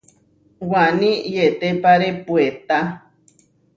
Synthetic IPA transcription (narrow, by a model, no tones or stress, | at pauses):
wanĩjet̪epaɾepuet̪a